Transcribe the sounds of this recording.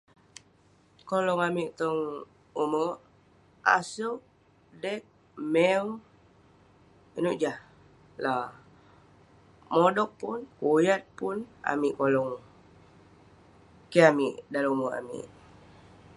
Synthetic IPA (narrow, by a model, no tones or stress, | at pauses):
kolɔŋamiʔt̪ɔŋ | umə | a̰suʔ | dɛk̚ | mɛw | inuʔd͡ʒah | la | modɔk̚pʊnkojat̪̚pʊna̰miʔkolɔŋ | keamiʔdaluməʔa̰mḭʔ